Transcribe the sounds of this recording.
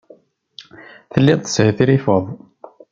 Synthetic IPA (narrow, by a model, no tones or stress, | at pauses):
θəlːiðt̪ə̥shθiɾifəðˤ